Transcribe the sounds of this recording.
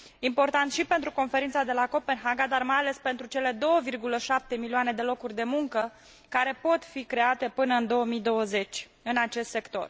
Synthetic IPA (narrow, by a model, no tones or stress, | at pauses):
impo̞rt̪ant̪ʃipe̞nt̪ɾuko̞nfe̞ɾint̪sad̪e̞lako̞pe̞nɦaɡad̪armajale̞spe̞nt̪ɾut͡ʃe̞le̞d̪o̞wəvirɡuləʃap̚t̪e̞milioane̞d̪e̞lo̞kurʲd̪e̞muŋkə | kaɾe̞po̞t̪fikɾe̞at̪e̞pɨnəɨnd̪o̞əmid̪o̞wəze̞t͡ʃʲ | ɨnat͡ʃe̞st̪se̞kt̪o̞̰r